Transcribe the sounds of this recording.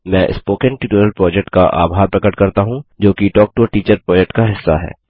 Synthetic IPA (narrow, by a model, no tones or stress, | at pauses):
mɛ̃ːʔɪ̰spoːkə̃nʈɪʈinəlpɾɔːd͡ʒɛk̚ʈkaʔa̰ːbʱaːɾpɾɐkəʈkɐɾt̪aɦũd͡ʒoːkiʈɔːk̚ʈuɾʈiːt͡ʃəɾpɾɔːd͡ʒɛk̚ʈkaɦɪsːaɦɛ̰ː